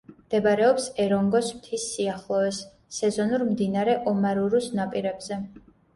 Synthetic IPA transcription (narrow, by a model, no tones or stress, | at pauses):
md̪̥ɛbɾɛɔpsɛɾɔŋɡɔsmt̪ʰisːiaχlˠɔɛsː | ɛzɔnuɾmd̪inaɾɛʔɔmaɾuɾusnapʼiɾɛbzɛ